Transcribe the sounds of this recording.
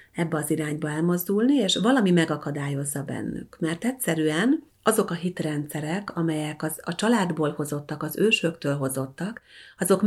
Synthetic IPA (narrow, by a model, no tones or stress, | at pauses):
ɛbːɛɒziɾaːɲbɒɛlmo̞zd̪ulnieːʃvɒlɒmimɛɡɒkɒd̪aːjo̞zːɒbɛ̰nːy̰kmɛrt̪ɛcsɛɾyɛn | ɒzo̞kɒɦit̪rɛnt̪sɛɾɛkɒmɛjɛkɒzɒt͡ʃɒlaːd̪boːlho̞zo̞t̪ːɒkɒzøːʃøkt̪øːlɦo̞zo̞t̪ːɒkɒzo̞k